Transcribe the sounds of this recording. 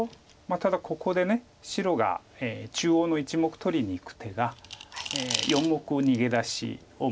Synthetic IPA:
mat̪ad̪akʰo̞ko̞d̪e̞ne̞ | ɕiɾo̞ɡa̰ | eːt͡ɕɨːo̞ːno̞it͡ɕimo̞kɯ̥t̪o̞ɾʲiɲ̟iːkɯ̟̥t̪ʰe̞ɡa | eːjõ̞mːo̞kɯ̟oɲ̟iɡe̞d̪aɕḭ | o

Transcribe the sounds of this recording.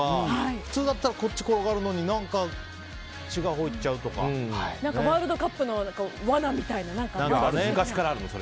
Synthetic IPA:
ahaiɸɯ̟̥t͡sɨːd̪at̪ːaɾako̞tːi̥ko̞ɾo̞ɡaːɾɯ̟no̞ɲ̟inãŋka | t͡ɕiɡaɦo̞it͡ɕaɯ̟t̪o̞kã̰anãŋnkaeβaːɾɯ̟d̪o̞kapːɯ̟no̞nãŋkaβanamʲit̪ainanãŋkanãkaẽɡaɕikaɾaːɾɯ̟noso̞ɾe

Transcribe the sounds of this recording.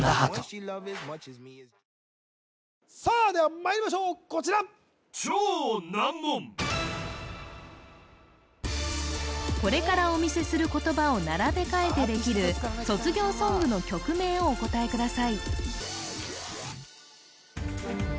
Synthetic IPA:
alʌvzmz | saːd̪eamaeɾʲimaɕ̬oːkot͡ɕiɾa | t͡ɕoːnamːõm | ko̞ɾe̞kaɾao̞mʲise̞sɨɾɯ̟ko̞t̪o̞bao̞naɾabe̞kae̞t̪e̞d̪e̞kʲiɾɯ̟so̞t͡sɨɡʲo̞ːso̞ːbɯ̟no̞kʲo̞kɯ̟me̞ːo̞ːko̞t̪aekɯ̟d̪asai

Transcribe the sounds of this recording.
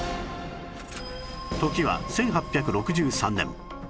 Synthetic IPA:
t̪o̞kʲiβa̰sẽ̞ŋ̃ɦapʲːjakɯ̟ɾo̞kɯ̟ʑɨːsãnːẽ̞̰m

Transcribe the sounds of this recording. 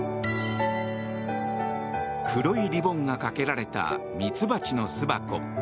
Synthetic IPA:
kʰɯ̟ɾoiɾʲibõ̞ŋɡakake̞ɾaɾe̞t̪a̰ | mʲit͡sɨbat͡ɕino̞sɨba̰ko̞̰

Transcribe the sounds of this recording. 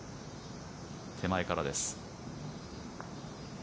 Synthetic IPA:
t̪ʰe̞maekaɾad̪e̞sɨ̥

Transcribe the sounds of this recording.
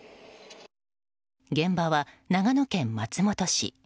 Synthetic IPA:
ɡẽ̞mbaβanaɡano̞kẽ̞mːat͡sɨmo̞t̪o̞ɕḭ

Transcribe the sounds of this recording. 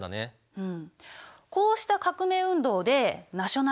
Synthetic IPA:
d̪a̰ne | ɯ̟̃ɴ | ko̞ːɕi̥t̪akakɯ̟me̞ːɯ̟̃nd̪o̞ːd̪e̞naɕo̞na

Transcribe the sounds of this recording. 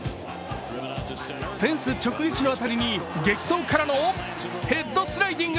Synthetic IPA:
sẽ̞ɰ̃sɨt͡ɕo̞kɯ̟ɡekʲino̞at̪aɾʲiɲ̟iɡe̞kʲi̥so̞ːŋkʰaɾano | he̞d̪ːo̞sɨɾajd̪ĩŋɡ

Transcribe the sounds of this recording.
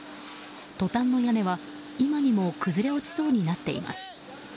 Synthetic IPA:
t̪o̞t̪ãnːo̞jane̞βa | imaɲ̟imo̞kɯ̟zɨɾe̞o̞t͡ɕi̥so̞ːɲ̟inat̪ːe̞̰ḭma̰sɨ̥

